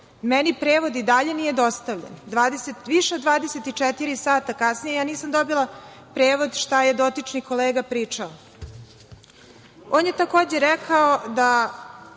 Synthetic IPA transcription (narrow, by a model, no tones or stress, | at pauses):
mɛnipɾeːʋod̪id̪aʎe̞nije̞d̪ost̪aʋʎḛnd̪ʋaːd̪eset̪ʋiʃeod̪ʋaːd̪eset̪it͡ʂɛt̪iɾisaːt̪akasnijejaːniːsamd̪obilˠa | pɾeːʋo̞d̪ʃt̪aje̞d̪o̞t̪it͡ʃniko̞leːɡapɾiːt͡ʂao | oːnjet̪ako̞ːd͡ʑeɾɛkʰaod̪a